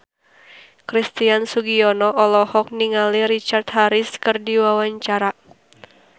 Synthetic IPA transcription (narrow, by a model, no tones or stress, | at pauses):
kɾist̪iansuɡiɔnɔʔɔlɔhɔk̚niŋaliɾit͡ʃart̪haɾiskɨrdiwawaɲt͡ʃaɾa